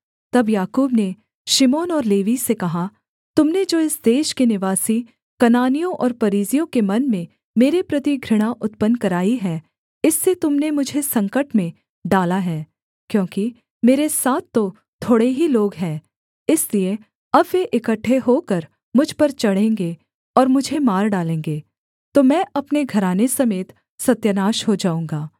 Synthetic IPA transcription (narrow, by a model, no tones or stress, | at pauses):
t̪ɐbjaːkuːbne | ʃɪmoːnɔːɾleːʋisekɐɦa | t̪ʊmned͡ʒoːɪsd̪eːʃkenɪʋaːsi | kɐnaːnijõʔɔ̰ːɾpɐɾiːzijõkemɐnmẽ | meːɾepɾɐt̪iɡʱɾɪɽ̃aʔʊt̪pənkɐɾaːiɦɛː | ɪsːet̪ʊmnemʊd͡ʒʱesɐ̃ŋkəʈmẽ | ɖaːlaɦɛː | kjõːki | meːɾesaːt̪̚ʰːo | t̪ʰoːɽeɦiloːɡɦɛ̃ː | ɪslie | ɐbjeʔɪkəʈʰːeɦokəɾ | mʊd͡ʒʱpɐɾt͡ʃɐɽ̤ẽːŋɡe | ɔːɾmʊd͡ʒʱemaːɾɖaːlẽːŋɡeː | t̪omɛ̃ːʔɐpneɡʱɐɾaːnesɐmeːt̪ | sɐt̪jənaːʃɦod͡ʒaːũːŋɡaː